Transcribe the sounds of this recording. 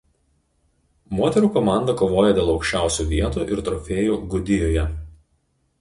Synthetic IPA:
moːt̪ʲɛɾuːkɔmɑˑnd̪ɐkoːʋoːjɛd̪ʲeːlˠɒʊkʃʲt͡ʃʲæˑʊsʲuːʋʲiɛt̪uːʔɪɾt̪ɾɔfʲeːjuːɡʊd̪ʲɪjoːjɛ

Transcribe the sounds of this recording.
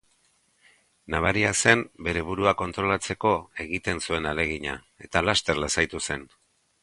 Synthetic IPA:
naβ̞aɾiase̞mbe̞ɾe̞β̞uɾuako̞nt̪ɾo̞lat͡se̞ko̞e̞ɣit̪e̞nsue̞nale̞ɣ̞iɲa̰ | e̞t̪alast̪e̞ɾlasajt̪use̞n

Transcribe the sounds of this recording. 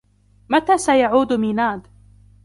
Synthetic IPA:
mat̪aːsajaʕuːd̪mɪnaːd̪

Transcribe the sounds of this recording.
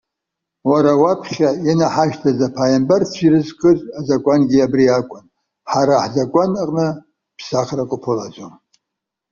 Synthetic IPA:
waɾawapʰχχʲajanaħaʃtʰazapʰaːjambart͡sʷʰirɨzkʼɨzʷʼazakʷʼanɡʲiabriakʷʼʊn | ħaɾaħzakʷʼanaqʼnɨ | pʰsaχrakʷʼʊpʰɨlad͡ʒʷʼom

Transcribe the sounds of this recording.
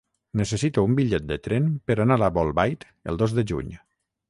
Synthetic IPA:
nəsəsit̪uumbiʎɛt̪̚d̪ət̪ɾɛmpəɾanalaβɔlˠβajt̪ | ə̰lˠd̪ozðəʒṵɲ

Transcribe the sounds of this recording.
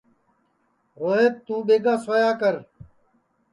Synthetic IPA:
ɣoeːt̪ːũːɓeːɡaːsojaːkəɾ

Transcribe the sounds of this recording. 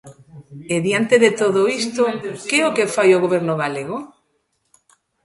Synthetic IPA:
eðjant̪eðet̪oðoist̪okeokefajoɣoβeɾnoɣaleɣ̞o

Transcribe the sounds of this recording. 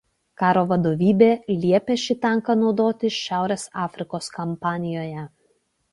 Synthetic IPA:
kɑːɾoːʋɐd̪oːʋʲiːbʲeːlʲiɛpʲɛʃʲɪt̪ʲɛŋˑkɐnɒʊd̪oːt̪ʲɪʃʲæˑʊɾʲeːsɑːfʲɾʲɪkoːskɐmpɑːnʲɪjoːjɛ

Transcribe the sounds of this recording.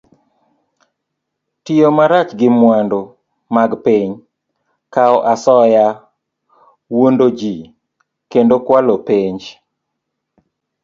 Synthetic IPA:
tiomaɾat͡ʃɡɪmwando | maɡpiɲ | kaɔʔasɔja | wondod͡ʒi | kendokwalopeɲd͡ʒ

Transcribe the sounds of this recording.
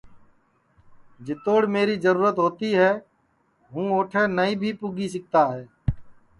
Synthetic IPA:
d͡ʒɪt̪oːɽmeːɾiːzəɾuːɾət̪ɦoːt̪iːɦɛː | ɦũːoːʈʰɛːnəĩːbʱiːpuːɡiːs̬ək̚t̪aːɦɛː

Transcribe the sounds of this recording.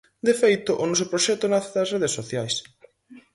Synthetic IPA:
d̪efejt̪ʊʔʊnɔs̬ʊpɾoʃɛt̪ʊnaθeðɐsreð̞esːoθjajs

